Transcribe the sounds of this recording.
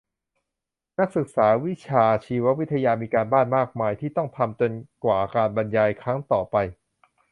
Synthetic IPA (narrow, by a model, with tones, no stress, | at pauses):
na˦˥k̚sɯ˨˩k̚saː˩˦wi˦˥t͡ɕʰaː˧t͡ɕʰiː˧wa˦˥wi˦˥t̪ʰːa˧jaː˧miː˧kaː˧nbaː˥˩nmaː˥˩k̚maː˧jt̪ʰiː˥˩t̪ɔ˥˩ŋt̪ʰa˧mt͡ɕo˧nkwaː˨˩kaː˧nba˧njaː˧jkʰɾaː˦˥ŋt̪ɔː˨˩pa˧j